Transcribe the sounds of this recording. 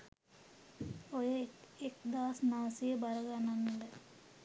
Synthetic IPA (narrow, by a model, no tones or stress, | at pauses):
ojəek̚d̪aːsnaʋəsijəbaɾəɡananːd̪ɛ